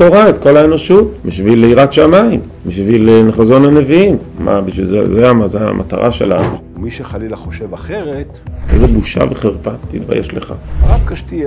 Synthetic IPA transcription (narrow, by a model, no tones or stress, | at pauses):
toʁaet̪ko̞laeno̞ʃutbiʃvileiʁatʃamaim | biʃvileneχazo̞nane̞viim | ma̰biʃvilzezajamazea̰mʔa̰t̪a̰ʁaʃelanuomiʃeχalilaχoʃevaχeʁet̪ezebuʃa̰veχeʁpat̪id̪ba̰jʔeʃleχa̰avkaʃti